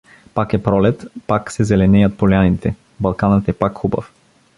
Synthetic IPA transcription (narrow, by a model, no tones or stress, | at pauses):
pakɛpɾɔlɛt̪paksɛzɛlɛnɛjat̪̚pɔlɛanit̪ʰɛ | balˠkanət̪ɛpakxuba̰f